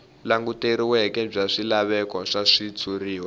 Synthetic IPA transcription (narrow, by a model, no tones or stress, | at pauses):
laŋɡuteɾiwɛkɛb͡ʐaʂilaβɛkɔʂaʂit͡sʰuriːwa